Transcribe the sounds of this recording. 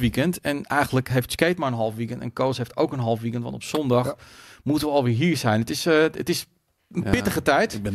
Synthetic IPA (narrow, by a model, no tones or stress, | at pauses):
ʋikəntɛnɛjɣəndləkɦejftskeːtmaɹənɦɔlˠfʋikəntɛ̰nkoːsheftoːkənɦɔlˠfʋikəntʋɑ̰ntopsɔndaxmutənʋəɔlˠʋɪɹɦiəɹsɛjnətɪsətɪs | ənpɪtəχətɛjt